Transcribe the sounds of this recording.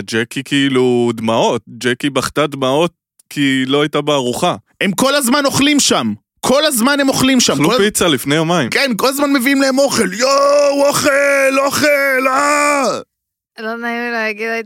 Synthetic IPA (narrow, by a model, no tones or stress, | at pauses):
d͡ʒekikʰiiludmao̞t̚d͡ʒekibaχt̪ad̪mao̞t̚ | kʰilo̞ajtabeaʁuχahe̞mko̞lazmano̞χlimʃam | kʰo̞lazmane̞mo̞χlimʃamlkolfit͡salifnejo̞maḭmkenko̞lazmanme̞viimlehemo̞χe̞ljooχeloχela | lonailaaɡida